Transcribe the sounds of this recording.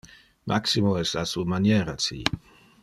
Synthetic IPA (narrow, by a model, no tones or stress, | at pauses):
mʔa̰ksimoɛsasuamanjɛːɾat͡sḭ